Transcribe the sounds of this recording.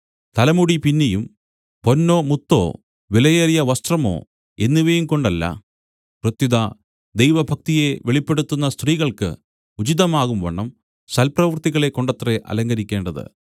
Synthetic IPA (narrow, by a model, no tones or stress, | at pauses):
t̪ɐlɐmuɽipinːejum | po̞nːo̞ːmut̪ːo̞̰ː | ʋilɐjeːrijɐʋɐst̪rɐmo̞̰ː | e̞nːiʋejumko̞ɳɖɐlːɐ̰ | prɨt̪jiðɐ | d̪ejʋɐbʱɐk̚t̪ije̞ʋeɭipːeɽut̪ːunːɐst̪riːɣɐɭkɨ̰ | ud͡ʑiðɐmaːɣumʋɐ̰ɳːɐm | sɐlprɐʋɨrt̪iɣɐɭe̞kːo̞ɳɖɐt̪ːreʔɐ̰lɐŋɡɐɾikʲːe̞ːɳɖɐðɨ̰